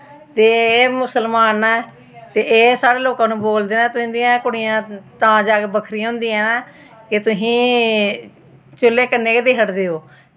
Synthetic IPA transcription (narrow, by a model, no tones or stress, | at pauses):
t̪eːeːmʊsəlmaːnɛː | t̪eːʔeːsaːɾeːloːkãːnũːboːld̪eːnaːt̪ʊsĩːd̪ijãːkʊɽɪjãːt̪ãːd͡ʒaːɡebəkʰɾiːɦʊ̃nd̪iːɛ̃ːnaː | kɪt̪ʊsĩː | t͡ʃʊlːeːkənːeːked̪eːɦəʈd̪eːoː